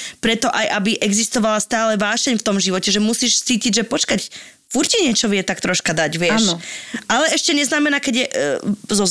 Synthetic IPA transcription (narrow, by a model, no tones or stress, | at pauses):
pɾɛt̪ɔʔajʔabiʔɛɡzist̪ɔʋalast̪aːlɛʋaːʃɛɲft̪ɔmʒiʋɔcɛʒɛmusiːʃt͡siːciɟʒɛpɔt͡ʃkac | fuɾciɲɛt͡ʃɔʋjɛt̪akt̪ɾɔʃkad̪aɟʋɪɛʃʔalɛɛʃcɛɲɛznamɛnaːkɛɟjɛʔzɔ